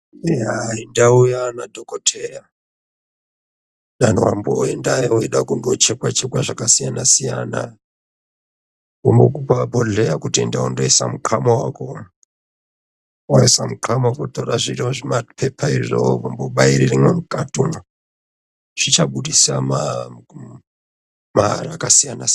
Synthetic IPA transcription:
eaindaujanadʱokotʰera | ɗanowamboendaweɗakundot͡ʃekwat͡ʃekwaʐakasijanasija̰na̰ | kombokupapoɮejakutiendaondoisa̰mukʰamowa̰ko | waisamukʰamawakotoraʐiroʐimapʰepʰaiʐoʋamboɓaiɾirimwemukatum | ʐ̥it͡ʃaɓuɗisama | maɾaakasijanas

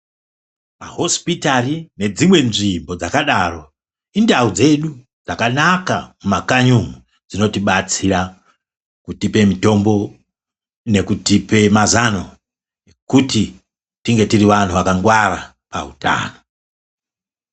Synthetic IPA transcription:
ma̰ɦo̞spitarine̞d͡zimwe̞nʐimbo̞d͡zakaɗaro̞ | indaud͡ze̞ɗu | d͡zakanakamumakaɲuŋu | d͡zino̞tiɓat͡sira | kutipe̞mito̞mbo̞ | ne̞kutipe̞mazano̞ | ekuti | tiŋɡe̞tiriʋan̤uʋakaŋɡwaɾa | pa̰ṵta̰ːno

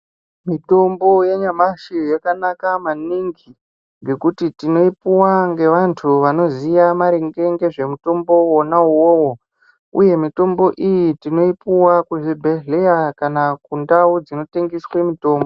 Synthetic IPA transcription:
mito̞mbo̞jeɲamaʃijakanakamaniŋɡi | ŋɡe̞kutitino̞ipuwaŋɡe̞ʋantʰuʋano̞zijamaɾeŋɡe̞ŋɡe̞ʐe̞muto̞mbo̞wonauwoːwo | uje̞mito̞mbo̞ʔijitino̞ipuwakuʐibʱe̞ɮe̞jakanakundaud͡zino̞te̞ŋɡiswe̞mito̞ːmbo

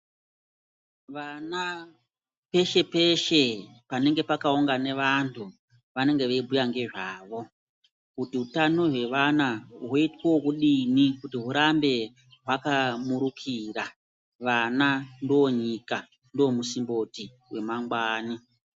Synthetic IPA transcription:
ʋana | pe̞ʃe̞pe̞ʃe̞pane̞ŋɡe̞pakauŋɡane̞ʋantʰu | ʋane̞ŋɡe̞ʋeibʱujaŋɡe̞ʐaːʋo̞ | kutiutano̞ɦwe̞ʋanaɦwoitweokuɗinikutiɦuɾambe̞ | ɦwakamuɾukʰira | ʋanandooɲika | ndoomusimbo̞ti | we̞maŋɡwaːni

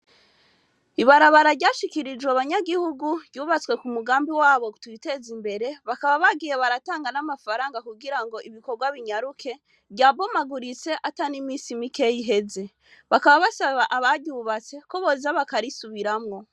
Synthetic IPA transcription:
iβaɾaβaɾaɾɟaːʃikiɾid͡ʒweβaɲaɡihuɡuɟɟuːβat͡swe̞kumuɡaːmbiwaːβo̞twite̞zimbe̞ɾe̞βakaβaβaɡiːje̞βaɾataːŋɡanamafaɾaːŋɡakuɡiɾaŋɡo̞ʔiβiko̞ɾɡwaβiɲaɾukʰe̞ | ɟaːbo̞maɡuɾit͡se̞ʔatanimiːsimike̞jiɦe̞ze̞ | βakaβaβasaβaʔaβaɟuːβat͡se̞koβozaβakaɾisuβiɾamŋo̞

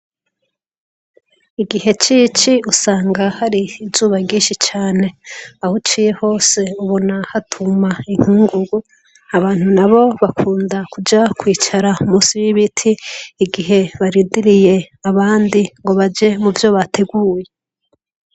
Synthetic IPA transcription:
iɡiɦe̞t͡ʃit͡ʃiusaːŋɡahaɾiːzuːβaɡĩːʃit͡ʃaːne̞ahut͡ʃiːje̞ho̞ːse̞uβo̞nahatʰumaiŋ̥huːŋɡuɡu | aβaːn̥hunaβo̞βakʰuːndakud͡ʒakwiːt͡ʃaɾaumuːsiwiβitʰiːɡiɦe̞βaɾiːndiɾije̞ | aβaːndiŋɡo̞βad͡ʒe̞muvjo̞βatʰe̞ɡuːje

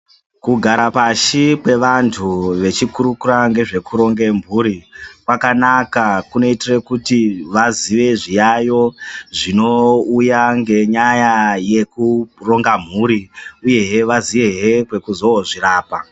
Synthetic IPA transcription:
kuɡʱaɾapaʃipwe̞ʋantʰuʋe̞t͡ʃikuɾukuɾaŋɡe̞ʐe̞kuɾo̞ŋɡe̞mbʱuːɾikwakanakakuno̞itirekutiʋaziʋe̞ʐijajo̞ʐino̞ujaŋɡe̞ɲajaje̞kuro̞ŋɡam̤uːɾiuje̞ɦeʋaziʋe̞ɦekwe̞kuzo̞oʐiɾaːpa

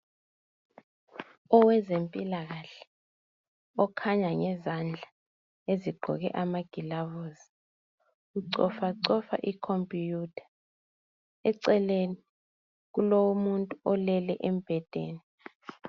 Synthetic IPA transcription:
ɔwɛzempʼilaɣ̬aɬɛ̥ | ɔkʰaɲaŋɛzand͡ɮʱa | eziɡ͡ǃʱɔ̰k̬ɛ̰ʔamaɡ̥ʱilavoːzi | uǀɔfaǀɔfa̰ʔikʰompʼijutʰḁ | ɛǀɛleni | k̬ulowumuntʼuɔlɛlɛʔɛm̩b̥ʱɛd̥ʱeːni

